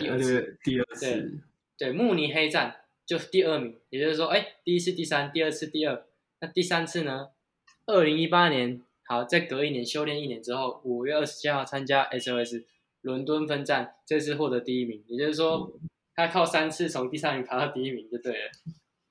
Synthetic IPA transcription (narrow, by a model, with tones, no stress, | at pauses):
t̪i˥˧˥t̪i˥˧˥we˥˩ | t̪we˥˩ɪmu˥˨˩ni˨˩ɦe˥ɪʈ͡ʂa˥˨n | t͡ɕjo˥˧ʊ˥˩t̪i˥˧ə˥˩mi˨˦ŋjt͡ɕjo˥˧ʂ̩˥˩ʂwɔ˥ʔe˥˩ɪt̪i˥˧i˦˥t͡s̩ʰ˥˧t̪i˥˩sa˦nt̪i˥˧ə˥˧t͡sʰɹ̩˥˧t̪i˥˧ə˥˩ | na˥˧t̪i˥˩sa˦nt͡s̩ʰ˥˩nə˩ | ə˥˩li˧˦˥ŋi˥pa˦˥njɛ˧˦n | ha˨˩ʊt͡sa˥˩ɪkɤ˧˥i˥˩njɛ˨˦nɕjo˥ʊljɛ˥˧˦ni˥˩njɛ˨˧˦nʈ͡ʂɻ̩˥˦xo˥˩ʊu˨˩ɥɛ˥˧ə˥˩ʂɻ̩˧˥t͡ɕʰi˦˥xɑ˥˩ʊt͡sʰa˦nt͡ɕja˦ʔɛ˥sɛ˥˧˩s̩˨˩ | lwə˧˦nt̪wə˦nfə˥nʈ͡ʂa˥˨˩nʈ͡ʂə˥˧ɡʂ̬ɹ̩˥˧xwɔ˥˩t̪ə˧˥t̪i˥˧i˦˥mi˨˦ŋjt͡ɕjo˥˧ʊʂ̩˥˩ʂwɔ˦˥ | t̪ʰa˥kʰɑ˥˩ʊsa˦nt͡s̩ʰ˥˩t͡sʰʊ˧˦ŋt̪i˥˩sa˦nmi˨˥ŋpʰa˧˥t̪ɑ˥˧ʊt̪i˥˧i˥mi˨˦ŋt͡ɕjo˥˧ʊt̪we˥˩ɪlə̰˩